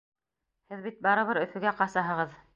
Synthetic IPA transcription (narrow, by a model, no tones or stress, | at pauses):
hɘðbit̪̚bɑɾɤ̆βɤɾɵ̆fɵ̆ɡæqɑsɑɦɤ̆ʁɤð